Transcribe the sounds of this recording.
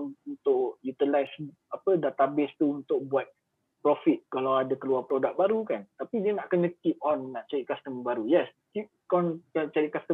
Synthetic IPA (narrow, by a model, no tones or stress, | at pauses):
unt̪ʊʔjut̪ilajs | apədat̪abɪst̪uunt̪ʊk̚buat̪̚ | pɾɔfit̪̚kalawadakəluapɾodak̚baɾukant̪apidiənaʔkənə̃kip̚ɔ̃nːaʔt͡ʃaɾiʔ̚kast̪əmbaɾujɛs | kip̚kɔnt͡ʃat͡ʃaɾit̚kast̪ə